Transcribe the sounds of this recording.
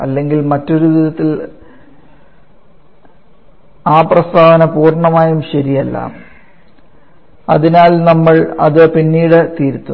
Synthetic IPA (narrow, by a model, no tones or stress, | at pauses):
ɐ̰lːe̞ŋɡilmɐtːo̞ɾuʋiðɐt̪ːil | aːprɐst̪ʰaːʋɐnɐpuːrɳɐmaːjumɕɐɾijɐlːa̰ːm | ɐ̰ðinaːlnɐmːɐɭɐ̰ðɨpinːiːɽɨt̪iːɾt̪ːu